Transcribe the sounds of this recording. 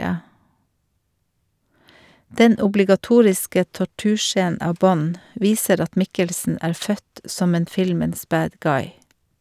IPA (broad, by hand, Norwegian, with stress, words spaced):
ˈdɛn ʊblɪɡɑˈtuːɹɪskə tɔˈʈʉːˌʃeːnn̩ ˈɑːʋ ˈbɔn ˈʋiːsəɾ ˈɑt ˈmɪkəlsn̩ ˈæːɾ ˈfœt ˈsɔm ˈeːn ˈfɪlməns ˈbæːd ˈɡɑɪ